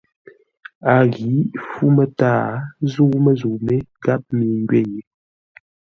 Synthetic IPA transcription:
a˨ɣi˨˦fu˦mə˦taː˦˨zu˦ʔmə˦zu˨me˦ɡa˦p̚mi˨ŋɡɥe˦˨je˨

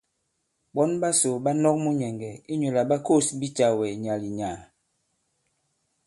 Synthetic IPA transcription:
ɓɔ˦nba˦so˨ba˦nɔ˦k̚mu˦ɲɛ˨ŋɡɛ˨i˦ɲo˨la˨ɓa˦ko˦˨sbi˦t͡ʃa˨wɛ˨ɲa˨li˨ɲa˨

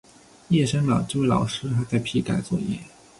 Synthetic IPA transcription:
jɛ˥˩ʂə˥nlɑ˨˩ʊʈ͡ʂɤ˥˧we˥˩lɑ̰˨˩ʊʂɻ̩˥xa˥t͡sa˥˧ɪpʰi˥˩ka̰˨˩ɪt͡swɔ̰˥˩jɛ̰˥˩

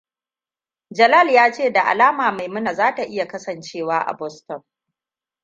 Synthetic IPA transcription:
d͡ʒɐ˨lɐ˦˨ljaː˦t͡ʃeː˦˨da˨ʔa̰˨laː˦maː˨ma˨jmʊ˦na˨zaː˦ta˨ʔɪ˦ja˨kɐ˦sɐ˨nt͡ʃeː˦waː˦ʔa̰˨bɔ˦stɔ˨ŋ

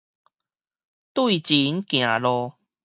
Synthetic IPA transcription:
t̪wi˥˨t͡ɕi˨˦nkj̃ã˨˩lɔ˧

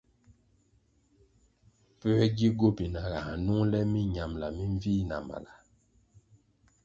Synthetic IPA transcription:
pɛ˦wɛ˦ɡi˦ɡo˦bi˨na˨ɣa˨a˨nu˦ŋlɛ˦mi˦ɲa˨mla˨mĩ˦ɱ˦viː˦na̰˨ma̰˨la˨

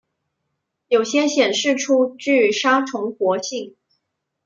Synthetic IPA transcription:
jo˨˩ʊɕjɛ˥ɕjɛ˨˩nʂɻ̩˥˩ʈ͡ʂʰu˥t͡ɕy˥˩ʂa˥ʈ͡ʂʰʊ˧˥ŋxwɔ˧˥ɕi˥˩ŋ

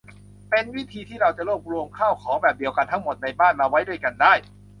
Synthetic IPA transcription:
pe˧nwi˦˥t̪ʰiː˧t̪ʰiː˥˩ɾa˧wt͡ɕa˨˩ɾuː˥˩p̚ɾu˧əmkʰaː˥˩wkʰɔː˩˦ŋbɛː˨˩p̚di˧əwka˧nt̪ʰa˦˥ŋmo˨˩t̪̚na˧jbaː˥˩nmaː˧wa˦˥jdu˥˩əjka˧ndaː˥˩j

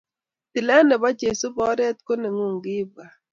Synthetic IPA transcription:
t̪i˨lɛ˦nɛ˨ba˦t͡ʃe˨su˦bɔ˦ɾɛ˦t̪̚ko˦nɛ˨ŋu˦˨ŋɡɪ˦ba˨

